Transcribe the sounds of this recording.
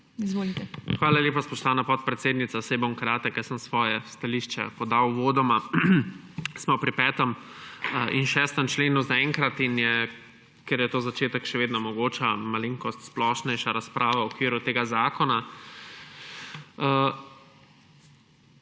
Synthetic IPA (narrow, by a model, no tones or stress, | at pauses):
izʋoːlit̪ɛxʋaːlaljeːpaspɔʃt̪aːnapɔt̪̚pɾɛt̪seːd̪nit̪saseboŋkɾaːt̪əkjɛsəmsʋɔːjɛst̪aliʃt͡ʃɛ̰pɔd̪awʋoːd̪ɔma | smɔpɾipɛːt̪əm | ʔinʃɛːst̪əmt͡ʃleːnuzaɛːŋkɾat̪injɛ | kɛɾjɛt̪oːzat͡ʃeːt̪əkʃɛʋeːd̪nɔmɔɡoːt͡ʃamaliŋkɔst̪splɔʃnɛjʃaɾaspɾʔaːʋawɔkʋiːɾut̪eːɡazaːkɔna